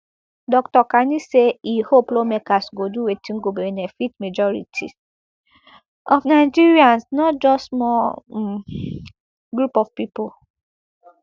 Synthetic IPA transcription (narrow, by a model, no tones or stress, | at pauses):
dɔktɔkaniseihoplomekasɡoduwetʰĩnɡobenɛfitmed͡ʒɔɹḭtʰḭ | ɔfnaɪd͡ʒiɹiãnsnɔtd͡ʒɔstmɔ | ɡɹupɔfpipo